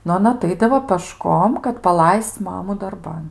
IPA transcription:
nʊ ɐˈnɐ ɐˈtɐɪdɐʋoː pəˈʃkoːm kɐt pɐˈlˠɐɪst͡s ˈmɑːmʊ dɐrˈbɐn

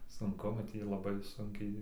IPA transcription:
sʊŋˈkʊ nʊ ˈtʲiː ɪr lˠɐˈbɐɪ ˈsʊŋʲkʲɛɪ

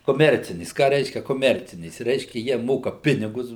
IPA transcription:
koːˈmʲɛrʲt͡sʲɪnʲeːs ˈkɑː ˈrʲɛɪʃʲkʲɛ koːˈmʲɛrʲt͡sʲɪnʲeːs ˈrʲɛɪʃʲkʲɛ ˈjiɛ ˈmoːkɐ ˈpʲɪnʲɪɡʊs

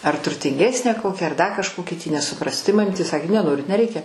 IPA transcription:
ɐr tʊrʲtʲɪŋʲˈɡʲæːsʲnʲæː ˈkoːkʲæː ɐr ˈdɐ kɐʃˈkoːkʲiː tʲiː nʲɛsʊˈprɑːsʲɪ tɐɪ mɐˈmʲiːtʲeː ˈsɑːkʲeː nʲɛˈnoːrʲɪt nʲɛˈrʲɛɪkʲɛ

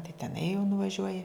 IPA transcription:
tɐɪ tʲɛˈnɐɪ jɛʊ nʊʋɐˈʒʲuɔjɪ

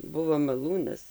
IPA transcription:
ˈbʊʋoː mɐˈlˠuːnɐs

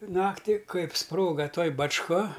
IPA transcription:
ˈnɑːktʲɪ ˈkɐɪp ˈsproːɡɐ ˈtoːj bɐt͡ʃˈkɐ

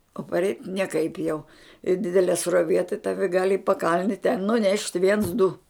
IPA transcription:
oː pɐrʲˈɛɪtʲ nʲiɛˈkɐɪp jɛʊ ɪ ˈdʲɪdʲɛlʲiɛ sruɔˈʋʲiɛ tɐɪ ˈtɑːʋʲɪ ɡɐlʲ ɪ pɐˈkɐlʲnʲɪ tʲɛn nʊˈnʲɛʃʲtʲ ʋʲiɛns dʊ

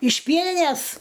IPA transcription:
ɪʃ ˈpʲiɛnʲɪnʲɛs

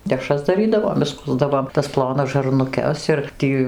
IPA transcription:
dʲɛˈʃrɐs dɐˈrʲiːdɐʋoːm ɪʃˈskʊzdɐʋoːm tɐs ˈplˠoːnɐs ʒɐrnʊˈkʲɛs ɪr ˈtʲiː

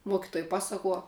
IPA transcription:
ˈmuɔkʲɪtuɔj ˈpɑːsɐkuɔ

